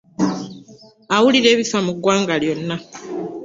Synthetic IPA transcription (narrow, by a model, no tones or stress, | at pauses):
awuliɾe̞ːβifamuɡwaːŋɡaljo̞nːa